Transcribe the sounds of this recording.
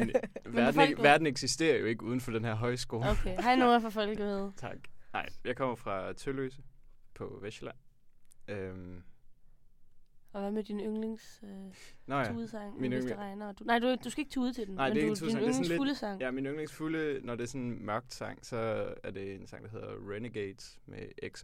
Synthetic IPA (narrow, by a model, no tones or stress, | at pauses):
mnʋæɐdn̩eɡʋæɐd̥n̩eɡ̥sisd̥e̝̰ːɐjo̝e̝ɡ̥əuːð̞ˠn̩fɒ̽d̥enɦæɐɦɒ̽ɪ̰sɡ̥o̝ːlokʰehɑ̈inoːɐfɒfɒ̽l̰ɡ̥ʋeð̩ˠt͡sʰɑ̈ɡ̥nɑ̈ɪjɑ̈ɪkʰɒ̽m̰ɐfʁɑ̈t͡sʰøløːsəpʰɒ̽ʋeɕlæn | øm | ɒ̽ʋæmed̥inøŋleŋs | nɒjæuðˠsɑ̈ŋ̰minødʁɑ̈ɪnɐɒd̥unɑ̈ɪdud̥usɡ̥æeɡ̥t͡sʰeuːð̞̰ˠt͡sʰe̝dennɑ̈ɪmd̥eɡʰuinø̥ŋseŋnleuləsɑ̈ŋ̰jæminøŋleŋsfulənɒd̥e̝ɐsɔ̽nmɶɐɡ̥̚d̥sɑ̈ŋ̰sɒ̽æɐd̥e̝ensɑ̈ŋ̰d̥ɑɦe̝ð̞̰ˠɐʁeneɡ̥eːd̥smeʔeɡ̥s